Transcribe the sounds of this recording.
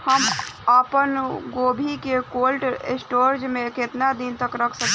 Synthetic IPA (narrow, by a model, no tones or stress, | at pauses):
həməpənɡobʱikekolʈḛsʈoɾd͡ʒmẽket̪nad̪int̪əkɾəkʰsək